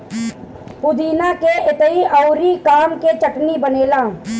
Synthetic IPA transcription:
pʊd̪iːnakeɪt̪iʔaʊɾikaːmket͡ʃəʈnibəneːlaː

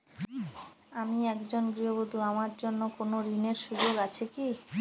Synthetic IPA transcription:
amiɛkd͡ʑonɡɾiɦobod̪ʱuamaɾd͡ʑonːokonoɾineɾʃud͡ʑoɡat͡ɕʰeki

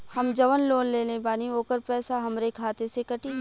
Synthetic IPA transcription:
hɐmd͡ʒɐʋənloːnleːlẽbaːnioːkəɾpɛːsaɦɐmɾekʰaːt̪esekɐʈi

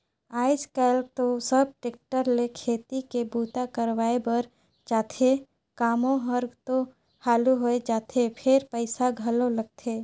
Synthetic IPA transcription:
aːɪskaɪlt̪osəb̚ʈek̚ʈəɾlekʰeːt̪ikebuːt̪akəɾwaːebəɾ | d͡ʒaːt̪ʰe | kaːmõɦəɾɡt̪o | haːluɦoed͡ʒaːt̪ʰepʰɪɾpəɪsaɡʱəloləɡ̚t̪ʰeː

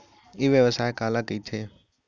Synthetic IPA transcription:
ɪʋeʋəsaːekaːlakɐit̪ʰeː

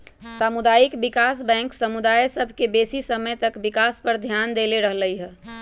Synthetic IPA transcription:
saːmud̪aːjɪkbɪkaːsbɛ̃ːŋksəmud̪aːjsəbʱkebeːsisəməjt̪əkbɪkaːspəɾd̪ʱjaːnd̪eleɾəɦləiɦɛː

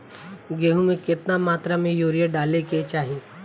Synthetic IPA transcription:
ɡeːɦũmẽkɪt̪namaːt̪ɾamẽjoːɾijaɖaːleket͡ʃaːɦieː

